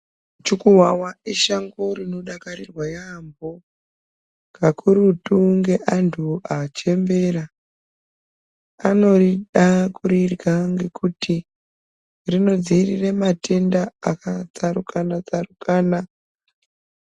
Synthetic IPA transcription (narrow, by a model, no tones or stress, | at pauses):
t͡ʃukuwawaiʃaŋɡo̞rino̞ɗakaɾirwajambo | kakʰuɾutuŋɡe̞ʔantʰuat͡ʃe̞mbe̞ɾa | ano̞riɗakurirɡaŋɡe̞kuti | rino̞d͡zirirematʰe̞ndaːkat͡saɾukʰanat͡sarukaːna